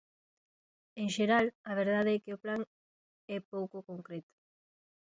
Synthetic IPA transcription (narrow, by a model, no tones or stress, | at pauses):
eŋʃeɾalɐβ̞eɾðaðeɛkeoplaŋ | ɛpowkokoŋkɾet̪ʊ̥